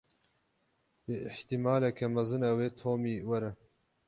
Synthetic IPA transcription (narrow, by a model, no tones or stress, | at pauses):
beʔɪħt̪imaːlɛkʰɛmɐzɨnɐweːt̪ʰoːmiːwɐɾɛ